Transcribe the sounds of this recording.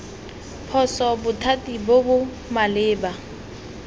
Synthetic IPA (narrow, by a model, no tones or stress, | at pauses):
pʰɔsɔbʊtʰatibobʊ | malɪːba